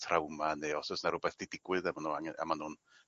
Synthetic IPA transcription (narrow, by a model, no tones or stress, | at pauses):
tʰrawmaneɔsɔsnaɾʊbɛθd̥idɪɡwɨðamanuaŋa̰manhʊn